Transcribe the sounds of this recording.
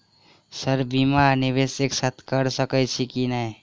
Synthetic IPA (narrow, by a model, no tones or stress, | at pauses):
səɾbiːmanɪʋeːseksat̪ʰkəɾsəkət͡ʃʰikina